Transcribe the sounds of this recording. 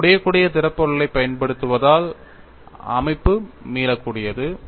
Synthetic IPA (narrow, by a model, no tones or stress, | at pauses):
ʊɽɐjɐkːuːɽɪjɐt̪ɪɾɐpːɔɭɐlɐɪpːɐjɐnpɐɽɯt̪ːɯʋɐðaːl | ɐ̰mɐɪpːɯmiːlɐkːuːɽɪjɐðɯ